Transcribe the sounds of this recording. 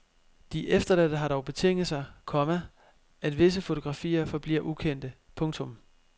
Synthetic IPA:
d̥iʔefd̥ɐlæd̥əɦɑ̈ɾ̥ɒʊb̥e̝t͡sʰe̝ŋ̰ð̩ˠsɑ̈ɪkʰɒ̽mə | æd̥ʋe̝s̬əfo̝t͡sʰo̝ɡ̥ʁɑ̈fḭːɐfɒ̽b̥lḭɐʔukʰen̰d̥ə | pʰɔ̽ŋt͡sʰɔ̽m

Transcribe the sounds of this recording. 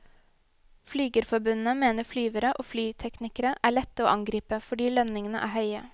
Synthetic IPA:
flyːɡəɾfɔɾbʉnn̩əmeːnəflyːʋəɾəʔoːflyːt̪ʰɛknɪkəɾəʔæːɭɛt̪ːəoːʔɑŋɡɾiːpəfɔɖiːlœnnɪŋənə̰ʔæ̰ːhœʏə̰

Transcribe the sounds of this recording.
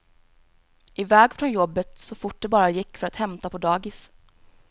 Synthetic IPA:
ʔɪvɛːɡfɾɔnjɔbːət̪sɔfʊʈ̚ɖ̪ɛbɑːɾajɪkːfœɾat̪hɛmt̪apʰɔd̪ɑːɡɪs

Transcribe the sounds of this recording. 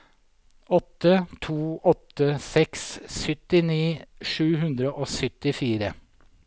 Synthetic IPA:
ɔt̪ːət̪ʰuːɔt̪ːəsɛkssʏt̪ɪniːʂʉːɦʉnd̪ɾəʔoːsʏt̪ɪfiːɾə

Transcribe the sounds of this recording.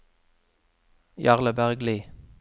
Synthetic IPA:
jɑʁləbæʁɡliː

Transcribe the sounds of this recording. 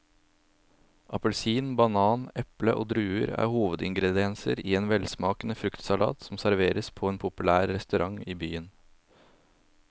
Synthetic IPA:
ʔɑpəlsiːnbɑnɑːnɛpləʔo̰ːd̪ɾʉːəɾæ̰ːɾhuːʋəd̪ɪŋɡɾɛd̪ɪɛnsə̰ɾiːeːnʋɛlsmɑːkənəfɾʉkt̪sɑlɑ̰ːt̪sɔmsæɾʋeːɾəspʰɔeːnpʰʊpʉlæːɾɾɛst̪ʉɾʔɑŋiːbyːən

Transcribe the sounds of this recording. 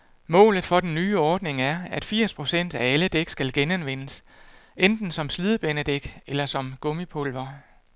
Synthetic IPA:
mɔ̰̽ːlð̞̩ˠfɒ̽d̥enːyːɒːd̥ne̝ŋæɐæd̥fiɐ̰spʰʁo̝sen̰d̥ææləd̥eɡ̥sɡ̥ælɡ̥enænʋen̰əsʔend̥n̩sɒ̽msliːð̞ˠəb̥enəd̥eɡ̥elɐsɒ̽mɡ̥ɔ̽mipʰolʋɐ

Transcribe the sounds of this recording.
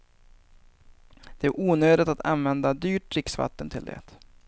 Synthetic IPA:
d̪̥ɛæɾʔuːnøːd̪ɪt̪at̪ʰa̰nvɛnd̪ad̪yːʈɾɪksva̰t̪ːənt̪ʰɪld̪ɛ̰t̪

